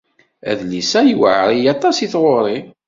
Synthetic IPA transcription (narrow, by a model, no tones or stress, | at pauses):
æ̰ðlisæjwə̰ʕɾˤijɑt̪ˤɑsiθʁoɾˤi